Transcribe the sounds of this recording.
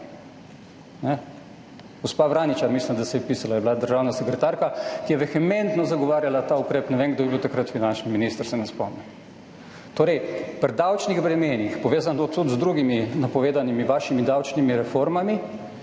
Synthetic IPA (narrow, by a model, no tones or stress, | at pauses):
nɛ | ɡ̥ɔspabɾaːnit͡ʃaɾmislimd̪asɛjpiːsalajɛbilad̪əɾʒawnasɛkɾɛt̪aɾkakijɛʋɛxɛmɛ̃nt̪nɔzaɡɔʋaːɾjalat̪aːukɾeːpnɛʋeːnŋɡd̪obibiwt̪akɾat̪finant͡ʃniminist̪əɾsɛnɛspɔ̰mnɛn | t̪oːɾɛjpɾd̪awt͡ʃniɣbɾɛmeːnixpɔʋeːzant̪ot̪ːut̪zd̪ɾuɡiminapɔʋeːd̪animiʋaːʃimid̪awt͡ʃnimiɾɛfoɾmami